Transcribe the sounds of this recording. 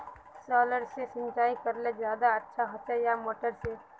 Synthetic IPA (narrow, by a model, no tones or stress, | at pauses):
sɔːləɾsesɪ̃nt͡ʃaːikəɾlezjaːd̪aɐtːʃʰaɦɐt͡ʃajamoːʈəɾse